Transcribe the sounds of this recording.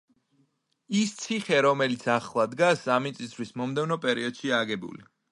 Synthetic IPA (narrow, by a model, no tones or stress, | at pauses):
ist̪sʰiχɛɾɔmɛlit̪sʰaχlˠad̪ɡasamit̪sʼisʰwismɔmd̪ɛvnɔpʼɛɾiɔd̪̥ʃiaɡɛbṵli